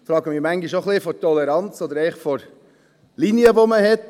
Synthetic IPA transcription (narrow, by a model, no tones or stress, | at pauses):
fɾɑːɡəmɪːɾmæŋɡiʃoχlifɔɾtɔlɛɾɑnt͡sɔd̪əɾɛɪχfɔɾ | linjəvoməhɛt